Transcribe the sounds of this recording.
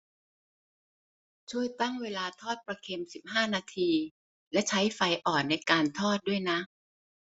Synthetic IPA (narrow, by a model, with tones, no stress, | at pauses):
t͡ɕʰu˥˩əjt̪a˥˩ŋweː˧laː˧t̪ʰɔː˥˩t̪̚pɾa˧kʰe˧msi˨˩p̚haː˥˩naː˧t̪ʰiː˧ | lɛ˦˥t͡ɕʰa˦˥jfa˧jʔɔː˨˩nːa˧jkaː˧nt̪ʰɔː˥˩t̪̚du˥˩əjna˦˥ʔ